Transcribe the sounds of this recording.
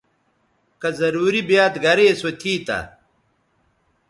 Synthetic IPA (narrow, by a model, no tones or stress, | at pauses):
kɐzɐɾuːɾibjaːt̪ɡɐɾeːsot̪ʰiːt̪ɐ̰